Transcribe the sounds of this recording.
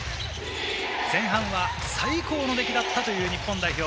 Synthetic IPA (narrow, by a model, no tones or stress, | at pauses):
zẽ̞ɰ̃ɦãβa | saiko̞ːno̞d̪e̞kʲid̪at̪ːat̪o̞jɯ̟ːɲ̟ipːõnd̪aiço̞ː